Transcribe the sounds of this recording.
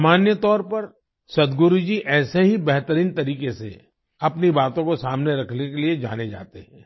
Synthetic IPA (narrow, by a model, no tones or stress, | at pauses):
maːnjət̪ɔːɾpɐɾ | sɐd̪ɡʊɾud͡ʒiʔɛːseɦibɛɦt̪əɾiːnt̪ɐɾiːkesḛ | ɐpnibaːt̪õkosaːmneɾɐkʰnekelied͡ʒa̰ːned͡ʒa̰ːt̪eɦɛ̃ː